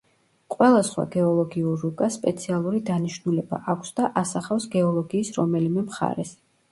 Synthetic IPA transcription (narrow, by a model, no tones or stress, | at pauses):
qʼwɛlˠasχwa̰ɡɛɔlˠɔɡiuɾːukʼaspʼɛt̪sʰialˠuɾid̪aniʃnulɛba̰ʔakʷʰsd̪aʔasaχafsɡɛɔlˠɔɡiːsɾɔmɛlimɛmχa̰ɾɛs